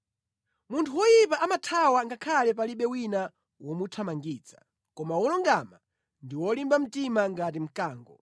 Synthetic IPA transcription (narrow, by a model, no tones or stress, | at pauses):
muntʰuwɔjipaʔamatʰawaŋɡakʰalɛp̬aliɓɛwina | wɔmutʰamaŋɡiːt͡sḁ̰ | kɔmawɔlɔŋɡama | ndiwɔlimbam̩timaŋɡat̬im̩kaːŋɡɔ̰